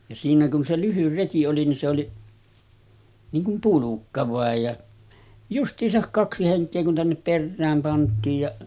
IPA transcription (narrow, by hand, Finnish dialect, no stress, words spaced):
jɑ siːnæ kun se lyhyr reki oli nin se oli niːŋ kum pulukːɑ ʋɑˑej jɑ justˑiːsɑk kɑksi heŋkˑeː kun tænːep perːæːm pɑntˑiːj jɑ